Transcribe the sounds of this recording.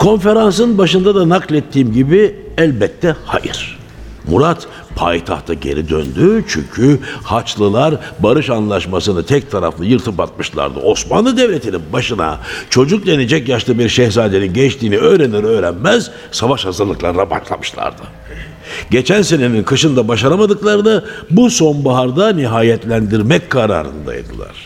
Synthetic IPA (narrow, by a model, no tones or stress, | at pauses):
kʰo̞nfe̞ɾans̬ɯɯnbaʃɯnd̪ad̪anaklʲɛt̪ʰːiːmɟibi | ælʲbɛt̪ʰːɛha̰jɯ̰ɾ̥ | mṵɾat̪ | pʰa̰jt̪ʰa̰ht̪ʰaɟḛɾid̪ø̰nd̪yt͡ʃʰy̰ɲcʰyhat͡ʃlˠɯlˠaɾbaɾɯʃanlˠaʃmasɯnɯt̪ʰɛc̚t̪ʰaɾa̰flajɯɾt̪ʰɯpat̪̚mɯʃlˠa̰ɾd̪ɯ̰ʔo̞sma̰nlˠɯd̪evlʲet̪ʰininbaʃɯna̰t͡ʃʰo̞d͡ʒuk̚d̪e̞nid͡ʒɛcjaʃlˠɯbiɾʃɛhzaːd̪e̞ninɟɛt͡ʃt̪ʰiːniø̞ːɾeniɾø̞ːɾænmæz | savaʃhazɯɾlˠɯklˠaɾɯnaba̰ʃlˠa̰mɯʃlˠa̰ɾd̪ɯ | ɟe̞t͡ʃʰænse̞ne̞ninkʰɯʃɯnd̪abaʃaɾamad̪ɯklˠaɾɯnabuso̞nbaɦaɾd̪aniɦaːjɛt̪lʲænd̪iɾmɛckʰːaɾa̰ːɾɯ̰nd̪a̰j̰d̪ɯ̰lˠa̰ɾ̥